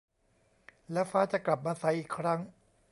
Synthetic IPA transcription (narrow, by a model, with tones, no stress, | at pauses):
lɛː˦˥wfaː˦˥t͡ɕa˨˩kla˨˩p̬̚maː˧sa˨˦jʔiː˨˩kʰːɾa˦˥ŋ